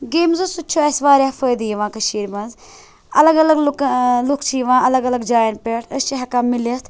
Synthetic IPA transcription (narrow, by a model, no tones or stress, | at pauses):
ɡeːmzusut͡ʃʰoːɐsʋaːɾʲjaːfəːjd̪ijiʋãːkɐʃiːɾmɐ̃nz | ɐlɐɡɐlɐɡlklukʰt͡ʃʰijiʋãːɐlɐɡɐlɐɡd͡ʒaːjnpeʈʰɐst͡ʃiɦɐkaːmilɐt̪ʰ